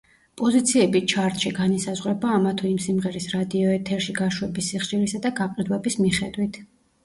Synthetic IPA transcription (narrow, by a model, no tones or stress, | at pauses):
pʼɔzit̪sʰiɛbit͡ʃʰaɾt̪ʼʃiɡanisazʁwɾɛbaːmat̪ʰɔimsimʁɛɾisɾad̪iɔɛt̪ʰɛɾʃiɡaʃwɛbisːiχʃiɾisad̪aɡaqʼid̪wɛbismiχɛd̪wit̪ʰ